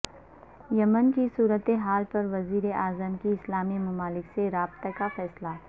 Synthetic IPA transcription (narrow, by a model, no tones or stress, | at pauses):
jɐmənkisuːɾət̪eɦaːlpɐɾʋɐziːɾeʔaːzəmkiɪslaːmimɐmaːlɪkseɾaːbt̪akafɛːsla